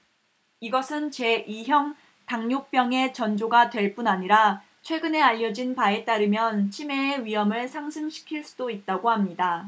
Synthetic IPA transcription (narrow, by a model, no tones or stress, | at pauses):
iɡʌsʰɯnt͡ɕe̞ʔiɦjʌŋ | taŋɲok̚p͈jʌŋe̞t͡ɕʌnd͡ʑoɡatwe̞ɭp͈unaɲiɾa | t͡ɕʰwe̞ɡɯne̞aʎːʌd͡ʑinpae̞t͈aɾɯmjʌnt͡ɕʰimeːɥiɦʌmɯɭsʰaŋsʰɯŋɕʰi̥kʰiɭs͈udoit̚t͈aɡohamɲida